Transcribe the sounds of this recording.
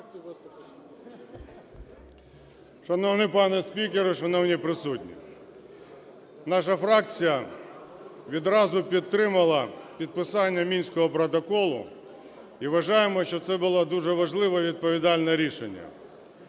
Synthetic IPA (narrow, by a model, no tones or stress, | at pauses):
ʃɐnɔwnɪpɑnɛsʲpʲikeɾʊʃɐnɔwnʲipɾɪsutʲnʲḭ | nɑʃ̬ɐfɾɑkt͡sʲijɐ | ʋʲid̪ɾɑzʊpʲid̪̚ɾɪmɐlˠɐpʲid̪̚pɪsɑnʲːɐmʲinʲsʲkɔɦɔpɾɔt̪̬ɔkɔlˠʊ̰ | iʋɐʒɑjemɔʃt͡ʃɔt̪sɛbʊlˠad̪uʒɛʋɐʒlˠɪʋɐʋʲid̪̚pɔʋʲid̪ɑlʲnɐɾʲiʃḛnʲːɐ̰